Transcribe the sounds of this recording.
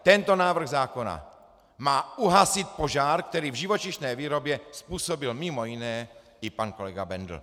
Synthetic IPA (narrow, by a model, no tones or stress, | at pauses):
t̪ɛnt̪o̞naːvr̩ɣzaːko̞na̰ | maːuɦasɪt̪̚po̞ʒaːɾk̚t̪ɛɾiːvʒɪvo̞t͡ʃɪʃnɛːviːɾo̞bjɛspuːso̞bɪlmɪmo̞jɪnɛː | ɪpanko̞lɛɡabɛnd̪l̩̰